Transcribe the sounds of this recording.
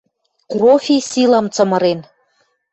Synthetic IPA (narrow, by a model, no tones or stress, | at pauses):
krofʲisilɑmt͡sɤ̆mɤ̆ɾen